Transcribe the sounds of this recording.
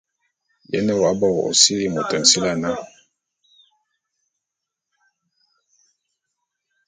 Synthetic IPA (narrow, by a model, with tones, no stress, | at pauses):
jɛ̰˦nɛ˦wa˦bɔ˦wɔ˨ʔo̰˨si˦li˦mu˨tɛ˨n˨si˦la˦na˦˨